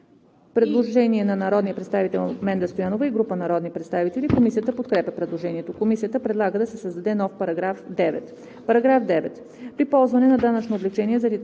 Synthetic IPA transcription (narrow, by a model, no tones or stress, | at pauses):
pɾɛd̪lˠoʒɛniɛnɐnɐɾɔd̪nijəpɾɛt̪st̪avit̪ɛlˠmɛnd̪ɐst̪ojanovəiɡɾupənɐɾɔd̪nipɾɛt̪st̪avit̪ɛlʲikomisijət̪əpot̪kɾɛpʲjɐpɾɛd̪lˠoʒɛniɛt̪okomisijət̪əpɾɛd̪lˠaɡəd̪ɐsɛsəzd̪ɐd̪ɛnɔfpɐɾɐɡɾafd̪ɛvɛ̰t̪ | pɐɾɐɡɾafd̪ɛvɛt̪ | pɾipɔlˠzvɐnɛnɐd̪anɐt͡ʃnoːvlɛt͡ʃɛniɛzɐlit̪